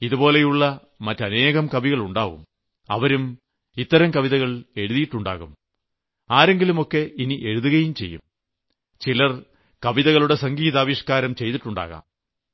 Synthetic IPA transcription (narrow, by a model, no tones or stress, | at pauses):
iðupo̞ːle̞juɭːɐ | mɐtːɐne̞ːɣɐmkɐbʱiɣɐɭuɳɖaːʋṵm | ɐ̰ʋɐɾum | it̪ːɐɾɐmkɐʋiðɐɣɐɭe̞ɻuðijiʈːuɳɖa̰ːɣum | aːɾe̞ŋɡilumo̞kːe̞iniʔe̞ɻuðuɣɐjumt͡ɕe̞̰jːṵm | t͡ɕilɐr | kɐʋiðɐɣɐɭuɽe̞sɐŋɡiːðaːʋiʂkaːɾɐmt͡ɕe̞jt̪iʈːuɳɖa̰ːɣa̰ːm